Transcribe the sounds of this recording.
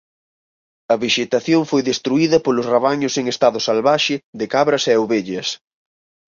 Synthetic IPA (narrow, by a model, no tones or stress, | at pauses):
ɐβiʃet̪aθjoŋfojðest̪ɾuiðɐpolʊsraβ̞aɲʊseŋest̪aðʊsalβaʃɪðɪkaβɾɐseoβeʎɐs